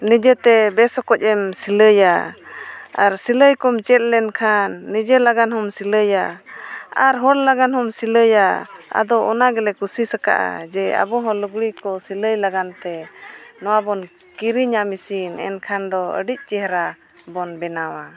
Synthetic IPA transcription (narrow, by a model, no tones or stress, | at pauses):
nid͡ʒɛt̪ɛbɛsɔkɔc̚ˀɛmsiləja | aɾsiləjkɔmt͡ʃɛt̪̚lɛnkʰanːid͡ʒɛlaɡanhɔmsiləja | aɾɦɔɽlaɡanhɔmsiləjaa̰d̪ɔʔɔnaɡɛlɛkusisəka̰ʔa̰d͡ʒɛa̰bɔɦɔ̃luɡɽikɔsiləjlaɡant̪ɛnɔwabɔn | kiɾiɲamisinɛ̰nkʰand̪ɔə̰ɖic̚ˀt͡ʃɛɦɾa | bɔnbɛnawa